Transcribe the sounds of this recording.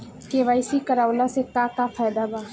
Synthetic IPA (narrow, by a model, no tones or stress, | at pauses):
keːʋaːisikɐɾaːwlasekaːkafaːd̪abaː